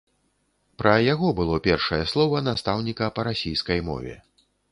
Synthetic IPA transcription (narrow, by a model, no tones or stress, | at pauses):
pɾɐjaɣɔbɨlˠɔpʲɛrʂɐjɛslˠɔvɐnast̪awnʲikɐpɐɾasʲijskɐjmɔ̰vʲɛ̰